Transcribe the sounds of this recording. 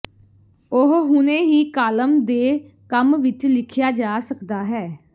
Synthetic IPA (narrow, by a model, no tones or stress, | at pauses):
ʊɦɦʊnẽːɦiːkaːləmd̪eː | kəmʋɪt͡ʃlɪkʰjaːd͡ʒaːsəkd̪aːɦɛː